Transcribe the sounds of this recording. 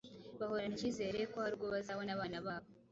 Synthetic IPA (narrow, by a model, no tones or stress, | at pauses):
βaho̞ɾaniciːze̞ːɾe̞kohaɾuɡo̞βazaβonaβaːnaβaːβo